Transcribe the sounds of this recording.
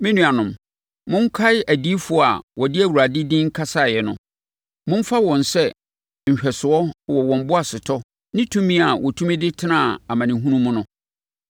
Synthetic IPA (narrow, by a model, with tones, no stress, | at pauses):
mɪ̃˦nũ˨a˨nʊ̃˨m | mʊ̃˦ŋ̩˦kʰa˦ɪ˦æ˨di˦fʊ˦˨a̰˨wʔɔ˨dɪ˦æ˨wu˨ɾa˨dɪ˦dɪ̃˦ŋ̩˦kʰa˦sa˦˨jɛ˨nʊ̰̃˨ | mʊ̃˦ɱ˦fa˦wɔ̃˨nsɛ˦ | ɲ̩˨ɕᶣɛ˨sʊ˨ɔ˦wɔ˨wɔ̃˨m˦bʊ˦a˨sɪ˨tʰɔ˦ | nɪ̃˦tʰũ˦mĩ˦a˨wʔɔ˨tʰũ˦mĩ˦dɪ˦tʰɪ˦nã˦˨a˨mã˨nɪ̃˨ɦũ˦nũ˦mʊ̃˦nʊ̃˦